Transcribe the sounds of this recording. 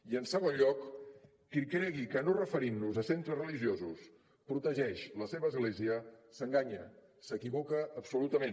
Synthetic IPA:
iənsəɣ̞onʎɔkː | ikɾɛɣikənorəfəɾinːuzəsent̪ɾəzrəliʒiozus | pɾut̪əʒɛʃləseβəːzɣleziəsəŋɡaɲə | səkiβokəːpsulut̪əmen

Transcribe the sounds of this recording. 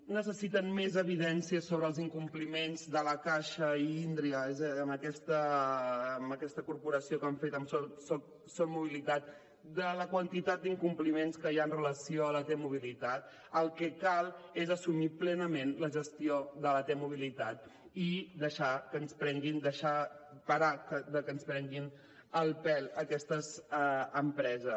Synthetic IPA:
nəsəsit̪ənmezəβ̞iðɛnsiəsoβɾəːlˠziŋkumplimenzðələkaʃəind̪ɾiəezəməkɛst̪əː | məkɛst̪əkuɾpuɾəsiokaɱfet̪əmsɔsɔ | somuβilit̪at̪̚ | d̪ələkwənt̪it̪at̪̚d̪iŋkumplimenskəjaənrələsioələt̪ɛmuβ̞ilit̪at̪̚ | əlˠkɛkalˠezəsumiplɛnəmenləʒəst̪ioðələt̪emuβ̞ilit̪at̪ | id̪əʃakəːnspɾɛŋɡind̪əʃapəɾakəd̪əkənspɾɛŋɡin | əlˠpɛləkɛst̪əzəmpɾɛzə

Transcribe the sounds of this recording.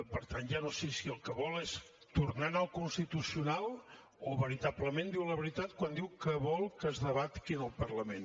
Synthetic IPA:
pəɾt̪anʒanosesiəlˠkəβɔles | t̪uɾnanəlˠkunst̪it̪usiunalˠ | oβəɾit̪apləmẽnd̪iwləβəɾit̪at̪̚kwand̪iwkəβɔlˠkəzðəβ̞at̪kinəlˠpərləmen

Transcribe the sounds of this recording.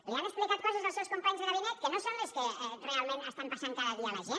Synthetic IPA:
ianəksplikat̪̚kɔzəzðəlˠsɛwskumpaɲzðəɣəβinɛt̪̚kənosonləskəɛrealˠmẽnəst̪ampɾsent̪aðəɣualəʒe

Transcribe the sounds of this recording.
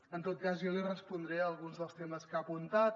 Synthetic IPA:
ənt̪ot̪̚kazjɔlirəspund̪ɾeəlˠɣunzðəlˠst̪eməskapunt̪at̪

